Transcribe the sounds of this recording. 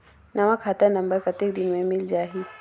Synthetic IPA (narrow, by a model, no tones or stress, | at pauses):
nɐʋãkʰaːt̪əɾnɐ̃mbəɾkɐt̪ɪk̚d̪ɪnmẽmɪld͡ʒaːɦiː